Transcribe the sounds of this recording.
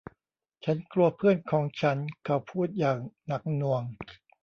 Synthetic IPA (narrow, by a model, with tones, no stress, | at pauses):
t͡ɕʰa˦˥nklu˧ɐpʰɯ˥˩ənkʰɔː˩˦ŋt͡ɕʰa˦˥nkʰa˨˩wpʰuː˥˩t̪̚jaː˨˩ŋna˦˥k̚nu˧əŋ